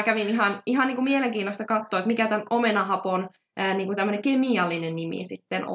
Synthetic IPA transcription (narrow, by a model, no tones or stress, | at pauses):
kæʋiniɦɑniɦɑniːŋkumieleŋkiːnːost̪ɑkɑt̪ːoːet̪mikæt̪ænomenɑɦɑpon | əːniːŋkut̪æmːøneŋkemiɑlːinenːnimḭsit̪ːen̰